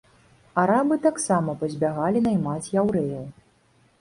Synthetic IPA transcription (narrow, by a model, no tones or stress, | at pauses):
aɾabɨt̪aksamɐpɐzʲbʲaɣalʲinɐjmat͡sʲjawɾɛjɐw